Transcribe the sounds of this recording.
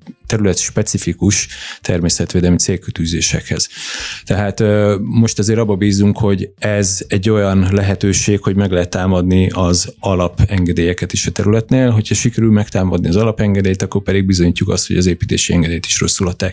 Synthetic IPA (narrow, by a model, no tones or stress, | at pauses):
t̪ɛɾylɛt̪ʃpɛt̪sifikuʃt̪ʰɛrmeːsɛt̪ʋeːd̪ɛlmit̪seːlkyt̪yːzeːʃɛ̰khɛ̰z̥t̪ɛɦaːt̪ːmo̞ʃt̪ɒzeːɾɒbːɒbiːzːuŋkho̞ɟɛzɛɟːo̞jɒnlɛɦɛt̪øːʃeːkho̞ɟmɛɡlɛɦɛt̪ːaːmɒd̪niʔɒzɒlɒpɛŋɡɛd̪eːjɛkɛt̪eʃɒt̪ɛɾylɛt̪neːlɦo̞cʰhɒʃikɛɾylmɛkt̪aːmɒd̪niɒzɒlɒpɛŋɡɛd̪eːjt̪ɒkːo̞rpɛd̪iɡ̚bizo̞ɲiːcːukɒ̰st̪hoɟɒzeːpiːt̪ḛːʃiɛŋɡɛd̪eːjt̪i̥ʃro̞̰sːulɒt̪ːaːk